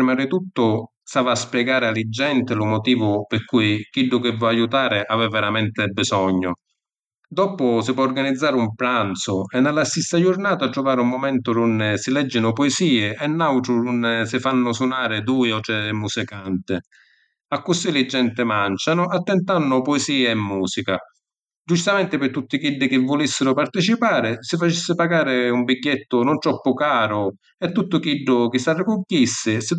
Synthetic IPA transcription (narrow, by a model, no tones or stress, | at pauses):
ɾmaɾɪt̪ut̪ːʊ | savaːspjɛɡaːɾɪalɪd͡ʒːɛnt̪ɪlʊmʊt̪iːvʊpɪrkuːjkiɖːʊkɪvːɔajut̪aːɾɪʔavɛvːɛɾamɛnt̪ɪbɪsɔɲːʊ | d̪ɔːpʊsɪpwɔːrɡanid̪zːaːɾɪumpɾant̪sʊɛnːalːasist̪ad͡ʒʊrnaːt̪aʈ̪ɾʊvaːɾɪumːʊmɛnt̪ʊɾunːɪsɪlɛd͡ʒːɪnʊpɔɪsiːɪʔɛnːawʈ̪ɾʊɾunːsɪfanːʊsʊnaːɾɪd̪uːjɔt̪ɾɛmːusikant̪ɪ | akːʊsːilɪd͡ʒːɛnt̪ɪmant͡ʃanʊʔat̪ːɛnt̪anːʊpɔɪsiːeɛmːuːsika | d͡ʒut͡ʃit̪amɛnt̪ɪpɪt̪ːut̪ːɪkiɖːɪk̟ɪvːʊlisːɪɾʊpart̪ɪt͡ʃipaːɾɪsɪfat͡ʃisːɪpaɡaːɾɪumbiɟːɛt̪ːʊnʊnt̪ɾɔpːʊkaːɾʊ | ɛt̪ːut̪ːʊkiɖːʊk̟ɪsarːɪkʊkjisːɪsɪ